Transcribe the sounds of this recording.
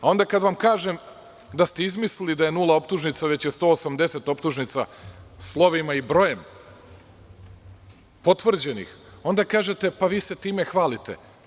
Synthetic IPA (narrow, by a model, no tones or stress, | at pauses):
ao̞nd̪akad̪ʋamkaːʒem | d̪ast̪eizmislilid̪aje̞nulˠao̞pt̪uʒnit̪saʋet͡ɕjest̪o̞ːosamd̪e̞set̪o̞pt̪uʒnit̪sa̰slˠo̞ʋimaibɾo̞je̞m | po̞t̪ʋr̩d͡ʑe̞nḭx | o̞nd̪akaːʒe̞t̪e̞paʋiːse̞t̪iːme̞xʋaːlit̪ḛ